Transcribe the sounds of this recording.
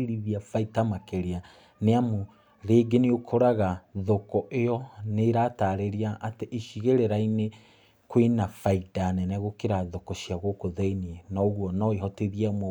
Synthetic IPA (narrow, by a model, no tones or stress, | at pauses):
ɾiðiafaitamakeɾea | neamo | ɾeːɡeniokʰoɾaɣaðokɔʔejɔneɾataɾeɾiaʔːteʔeʃiɣeɾeɾaine | kwinafaidanɛnɛɣokeɾaðokɔʃiaɣokoðeiniɛnaɣwɔnɔeɦɔteðiamɔ